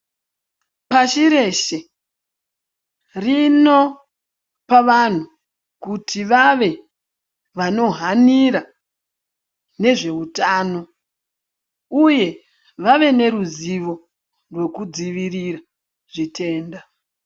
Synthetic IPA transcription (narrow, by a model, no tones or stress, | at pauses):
paʃiɾe̞ʃe̞ | rino̞ | paʋan̤u | kutʰiʋaʋe̞ | ʋano̞ɦaniɾa | ne̞ʐe̞utaːno̞ | uje̞ | ʋaʋe̞ne̞ɾuziʋo̞ | rwe̞kud͡ziʋirira | ʐitʰe̞ːnda